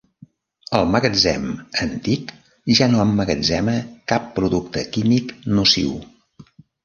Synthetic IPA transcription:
əlˠməɣəd͡zɛ̰mənt̪ik | ʒanoəmːəɣəd͡zɛməkapːɾuðuk̚t̪əkimiknusḭw

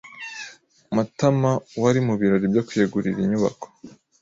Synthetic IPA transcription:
mutamawaɾimuβiɾoɾibjokujeɡuɾiɾiɲuβa̰ko̥

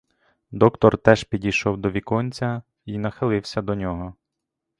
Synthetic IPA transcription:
d̪ɔkt̪ɔrt̪ɛʒpʲidʲijʃɔwd̪ɔʋʲikɔnʲt͡sʲɐ | inɐxɪlˠɪwsʲɐd̪ɔnʲɔɦɔ

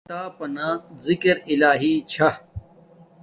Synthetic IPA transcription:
t̪aːpɐnaːzɪkɾɪlaːɦiːt͡ɕʰɐ

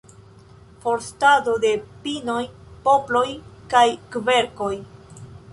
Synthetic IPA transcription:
fo̞ɾstado̞de̞pinojpo̞plo̞jkajkve̞ɾko̞j

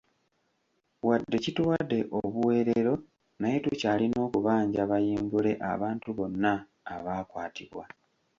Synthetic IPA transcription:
wadːe̞citwadːe̞ʔoβuwe̞ːɾeɾo̞ | naje̞tucaːlino̞ːkuβaːɲɟaβajiːmbule̞ʔa̰βaːntuβo̞nːaː | βaːkwaːtiβwa

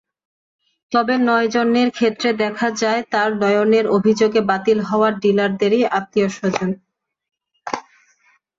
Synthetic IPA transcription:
t̪ɔbenɔed͡ʑonːeɾkʰet̪ːɾed̪ɛkʰad͡ʑaet̪aɾnɔjoneɾobʱid͡ʑoɡebat̪ilɦɔoaɾɖilaɾd̪eɾiʔat̪ːioʃod͡ʑon

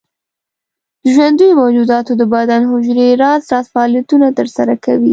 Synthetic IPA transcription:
d̪əʒwand̪əjomawd͡ʒud̪ɑt̪od̪əbad̪anɦʊd͡ʒɾeɾɑzɾɑzfaɑːlijat̪unat̪əɾsaɾakawi

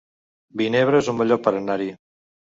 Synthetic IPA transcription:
bineβɾeezumbeʎopaɾanaɾi

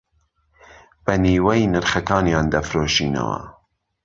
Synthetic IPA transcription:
b̥ɐniːwɛjnɨɾχɐkɑːnjɑːnd̪ɐfɾoːʃiːnɐ̰wɐ̰

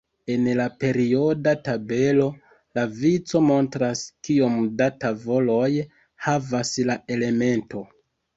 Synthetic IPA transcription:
e̞nlape̞ɾio̞databe̞lo̞ | lavit͡so̞mo̞ntɾaskiomdatavo̞lo̞j | havaslae̞le̞me̞nto̞

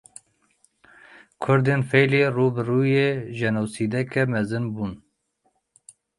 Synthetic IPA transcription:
kʰʊɾd̪eːnfɛjleːruːbɨruːjeːʒɛnuwsiːd̪ɛkɛmɛzɨnbuːn

